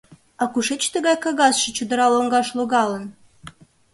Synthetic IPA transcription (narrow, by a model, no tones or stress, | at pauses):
ɑkuʃet͡ɕt̪ə̆ɣɑjkɑɣɑsʃɤ̆t͡ɕud̪ə̆ɾɑloŋɡɑʃloɣɑlə̆n